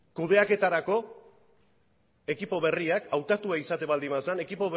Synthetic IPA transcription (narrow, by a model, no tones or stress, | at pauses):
kuð̞e̞ake̞t̪aɾako̞ | e̞kipo̞βe̞riakawt̪at̪uaisat̪e̞βald̪imasane̞kipo̞β